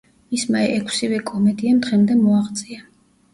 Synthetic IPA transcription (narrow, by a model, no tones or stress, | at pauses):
mismaɛʔɛkʰsivɛkʼɔmɛd̪iamd̪ʁɛmd̪ɛmɔaʁt̪sʼia